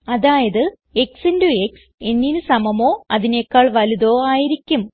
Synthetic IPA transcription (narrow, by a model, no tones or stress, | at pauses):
ɐðaːjɐðɨ | e̞ksindueks | e̞nːinɨsɐmɐmo̞ːɐðinekːaːɭʋɐluðo̞ːaːjiɾikʲːum